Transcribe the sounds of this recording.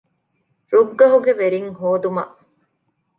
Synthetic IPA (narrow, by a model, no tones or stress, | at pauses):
ɾuɡːɐɦuɡeʋeɾiŋhɦoːd̪umɐ̰ʔ